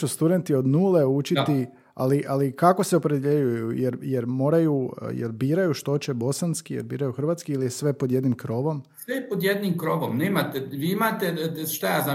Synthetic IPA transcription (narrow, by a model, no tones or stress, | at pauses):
ust̪ud̪e̞nt̪io̞d̪nuːle̞ut͡ʃit̪i | a̰liʔalikako̞seopɾed̪jeʎujujeɾjeɾmo̞ːɾajṵjḛɾbiːɾajuʃt̪o̞t͡ɕebo̞sanskijeɾbiːɾajuxrʋat̪skiilijesʋe̞po̞d̪je̞d̪nimkɾo̞ʋo̞msepod̪jed̪nimkɾoʋomneːmat̪eʋiːimat̪eʃt̪ajaːza